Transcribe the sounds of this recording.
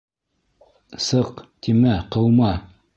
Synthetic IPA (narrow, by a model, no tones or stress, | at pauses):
sɤqt̪ʰimæqɤ̆wmɑ